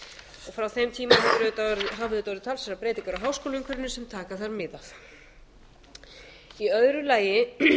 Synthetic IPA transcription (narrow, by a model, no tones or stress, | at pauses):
ɔɣfɾawθejmt̪ʰiːmaɦavɾt̪ɦaːvɪðʏːt̪avɔɾðɪt̪ʰalsɛɾapɾeːjt̪ɪŋkaɾaɦawskoːlʏŋkʰvʏɾɪnːʏsɛmt̪ʰaːkaθaɾmɪðaθ | iœðɾʏlaːjɪ